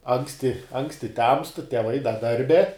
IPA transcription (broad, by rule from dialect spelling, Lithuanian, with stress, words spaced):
ˈɐŋksʲtʲɪ ˈɐŋksʲtʲɪ tʲɛmst tʲɛˈʋɐɪ dɐ ˈdɐrʲbʲɛ